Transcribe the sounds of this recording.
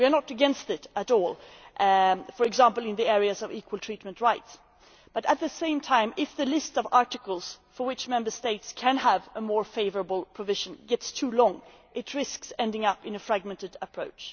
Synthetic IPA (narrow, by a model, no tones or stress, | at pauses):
wiə˞nəɾɨɡɛ̃nstɪɾəɾɔlˠ | fə˞ɨɡzæ̃mpl̩ˠɨ̃nðiɛɹiɨzʌvikʰwəlˠtʰɹ̥it̚mɨ̃ntɹaɪts | b̥ʌɾɨt̪̚ðɨsẽɪ̃mtʰãɪ̃mɪfðɨlɪstsʌvɑɹɾɨkl̩ˠz̥fə˞wɨt͡ʃmɛ̃mbə˞steɪtskʰɨ̃nəvəmɔɹfeɪvə˞əbl̩ˠpʰɹ̥əvɪʒɨ̃n̩ɡɛtstʰulɔ̃ŋ | ʔɨt̚ʰɹɪsksɛ̃ndɪ̃ŋʌpɨ̃nɨfɹæɡ̚mɛ̃ntɨɾəpʰɹ̥oʊt͡ʃ